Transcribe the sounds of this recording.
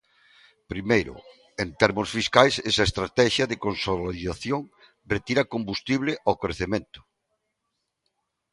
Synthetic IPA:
pɾimejɾʊ̰ | ent̪ɛɾmʊsfiskajsesaest̪ɾat̪ɛʃjɐðekonsolaiðaθjoŋ | ret̪iɾɐkombust̪iβlɪʔawkɾeθemẽnt̪ʊ̥

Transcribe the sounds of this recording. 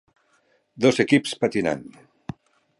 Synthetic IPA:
d̪ozekipspat̪ina̰n

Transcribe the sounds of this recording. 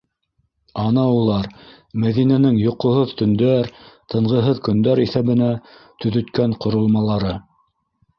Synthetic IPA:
ɑnɑulˠɑɾ | mæðinænɘŋjŏqŏɦoðt̪ɵ̆nd̪æɾt̪ɤ̆ɴʁɤ̆ɦɤðkɵ̆nd̪æɾiθæβɘ̆næt̪ɵ̆ðɵ̆t̪kæɴqŏɾŏlˠmɑlˠɑɾɤ

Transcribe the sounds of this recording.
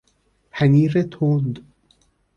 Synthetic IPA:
pʰaniɾet̪ʰoːnd̪

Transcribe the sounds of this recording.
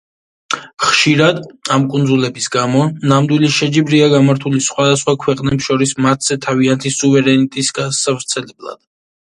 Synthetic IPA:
χʃiɾad̪amkʼund̪zulɛbisɡamɔnamd̪wiliʃɛd͡ʒibɾiaɡamaɾt̪ʰulisχwad̪asχwakʰwɛqʼnɛpsʃɔɾismat̪ʰz̥ɛt̪ʰaviant̪ʰisuvɛɾɛnit̪ʼisɡasavɾt̪sʰɛlɛblˠa̰d̪̥̚

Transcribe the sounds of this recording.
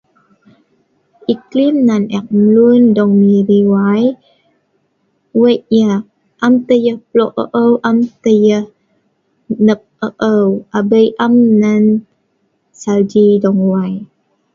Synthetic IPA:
ʔiklimnanɛk̚məlundɔŋmiɾiwaj | wəʔjə | ʔamt̪əjəhplɔʔə̰ʔəwʔamt̪əjəh | nəp̚əʔəwabəjʔamːan | sald͡ʒidɔŋwaj

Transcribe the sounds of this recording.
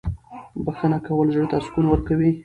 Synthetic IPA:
baxənakawəlʒəɽt̪askulwəɾkawi

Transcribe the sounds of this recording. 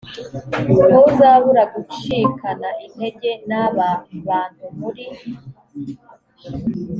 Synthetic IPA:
kouzaβuɾaɡut͡ʃikʰanaʔin̥he̞ɟe̞naβaβaːn̥humuɾi

